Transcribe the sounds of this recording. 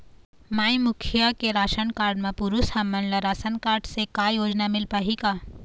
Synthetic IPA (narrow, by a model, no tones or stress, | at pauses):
maːimʊkʰjəkeɾaːʃənkaːɾɖmẽpuɾushɐmːənləɾaːsənkaːɾɖsekajoːd͡ʒnamɪlpaɦikaː